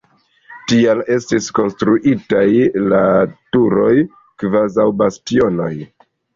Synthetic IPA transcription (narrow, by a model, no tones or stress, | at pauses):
tiale̞stisko̞nstɾuʔitajlatuɾo̞j | kvazawbastio̞no̞j